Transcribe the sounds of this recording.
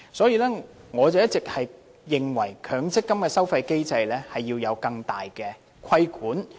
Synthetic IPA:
sɔː˨˥jiː˧lɛː˥ŋɔː˨˧t͡sɐ˨wjɐ˥t̚t͡sɪ˨k̚hɐ˨j | jɪ˨˩ŋwɐ˨˩jkʰœː˨˥ŋt͡sɪ˥kːɐ˥mkɛː˧sɐ˥wfɐ˧jke˥jt͡sɐ˧jlɛː˥hɐ˨jːiː˧wjɐ˨˧wkɐ˧ŋt̪aː˨˩jkɛː˧ | kʷʰɐ˥jkʰuː˨˥n

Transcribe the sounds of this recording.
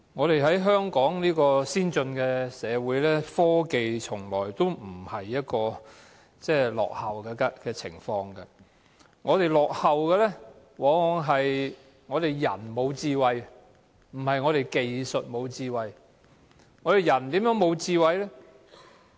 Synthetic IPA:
ŋɔː˨˧t̪e˨jɦɐ˨˥jɦœː˥ŋkɔː˨˥ŋniː˥kɔː˧siː˥nt͡sɵ˧nkɛː˧sɛː˨˧wuː˨˥jlɛː˥fɔː˥ke˨jt͡sʰʊ˨˩ŋlɔː˨˩jt̪o˥wm̩˨˩hɐ˨jːɐ˥t̚kɔː˧ | t͡sɛː˥˩lɔ̰ː˨k̚hɐ˨˩wkɛː˧kɛ˧kɛː˧t͡sʰɪ̰˨˩ŋfɔː˧ŋkɐ˧ | ŋɔː˨˧t̪e˨jlɔː˨k̚hɐ˨wkɛː˧lɛ˥ | wɔː˨˥ŋ˨˧ŋɦɐ˨j | ŋɔː˨˧t̪e˨jːɐ̰˨˩nmo˨˧wt͡siː˧wɐ˨j | m̩˨˩hɐ˨jŋɔː˨˧ɾe˨˩jke˨jsɵ˨t̚mo˨˧wt͡siː˧wɐ˨j | ŋɔː˧d̪e˨˩jɐ˨˩nt̪iː˨˥mjœː˨˥ŋmo˨˧wt͡siː˧wɐ˨jlɛ˥

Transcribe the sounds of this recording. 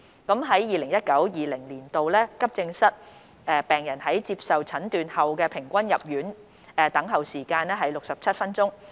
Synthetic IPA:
kɐ˨˥mɦɐ˨˥jjiː˨lɪ˨˩ŋjɐ˥t̚kɐ˨˥wjiː˨lɪ˨˩ŋliː˨˩nt̪o˨wlɛː˥kɐ˥p̚t͡sɪ˧ŋsɐ˥t̚ | ʔɛː˧pɛː˨ŋjɐ˨˩nhɐ˨˥jt͡siː˧˥p̚sɐ˨wt͡sʰɐ˨˥nt̪yː˨nhɐ˨wkɛː˧pʰɪ˨˩ŋkʷɐ˥njɐ˨p̚jyː˨˥n | ɛː˨˧t̪ɐ˨˥ŋɦɐ˨wsiː˨˩kaː˧nɛː˥ɦɐ˨˥jlʊ˨k̚sɐ˨p̚t͡sʰɐ˥t̚fɐ˥nt͡sʊ˥ŋ

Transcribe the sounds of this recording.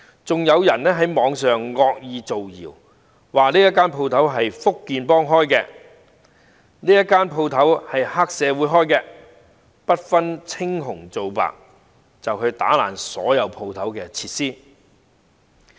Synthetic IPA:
t͡sʊ˨ŋjɐ˨˧wjɐ˨˩nɛː˥ɦɐ˨˥jmɔː˨˧ŋsœː˨ŋːɔː˧k̚jiː˨˧t͡so˨wjḭː˨˩w | waː˨˩niː˥jɐ˥kːaː˥npʰo˧wt̪ʰɐ˨˥wɦɐ˨jfʊ˥kːiː˨˧npɔː˥ŋɦɔː˥jkɛː˧ | niː˥jɐ˥kːaː˥npʰo˧wt̪ʰɐ˨˥whɐ˨jhaː˥k̚sɛː˨˧wuː˨˥jɦɔː˥jkɛː˧ | pɐ˥t̚fɐ˥nt͡sʰɪ˥ŋɦʊ˨˩ŋt͡so˨wpa̰ː˨k̚ | t͡sɐ˨wkʰɵ˨˧ɥt̪a̰ː˨˥la̰ː˨˩nsɔ̰ː˨˥jɐ˨˧wpʰo˧wt̪ʰɐ˨˥wkɛː˧t͡sʰiː˧˥t̚siː˥

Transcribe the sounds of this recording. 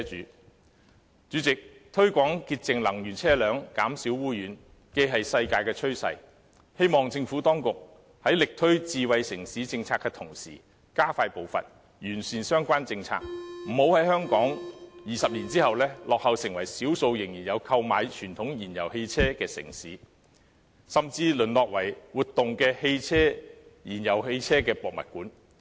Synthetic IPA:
yː˨˥ | t͡ʃyː˨˥t͡sɪ˨k̚t̪ʰɵ˥ɥkʷɔː˨˥ŋkiː˧t̚t͡sɪ˨ŋlɐ˨˩ŋjyː˨˩nt͡sʰɛː˥lœː˨˥ŋkaː˨˥msiː˨˥wuː˥jyː˨˥n | ke˧jɦɐ˨jsɐ˧jkaː˧jkɛː˧t͡ʃʰɵ˥ɥsɐ̰˧j | he˥jmɔː˨ŋt͡sɪ˧ŋfuː˨˥t̪ɔː˥ŋkʊ˨k̚ | hɐ˨˥jlɪ˨k̚t̪ʰɵ˥ɥt͡siː˧wɐ˨˧jsɪ˨˩ŋsiː˨˥t͡sɪ˧ŋt͡sʰaː˧kːɛː˧t̪ʰʊ˨˩ŋsiː˨˩ | kaː˥faː˧jpo˨wfɐ̰˨t̚ | jyː˨˩nsiː˨nsœː˥ŋkʷaː˥nt͡sɪ˧ŋt͡sʰa̰ː˧k̚m̩˨˩ho˨˥whɐ˨˥jhœː˥ŋkɔː˨˥ŋjiː˨sɐ˨p̚liː˨˩nt͡siː˥hɐ˨wlɛː˥lɔː˨k̚hɐ˨wsɪ˨ŋwɐ˨˩jsiː˨˥wso˧wjɪ˨˩ŋjiː˨˩njɐ˨˧wkʰɐ˧wma̰ː˨˧jt͡ʃʰyː˨˩nt̪ʰʊ˨˥ŋjiː˨˩njɐ̰˨˩whe˧jt͡sʰɛː˥kɛː˧sɪ̰˨˩ŋsiː˨˥ | sɐ˨mt͡siː˧lɵ˨˩nlɔː˨k̚wɐ˨˩jwuː˨t̪ːʊ˨ŋkɛː˧he˧jt͡sʰɛː˥jiː˨˩njɐ˨˩whe˧jt͡sʰɛː˥kɛː˧pɔː˨k̚mɐ̰˨t̚kuː˨˥n

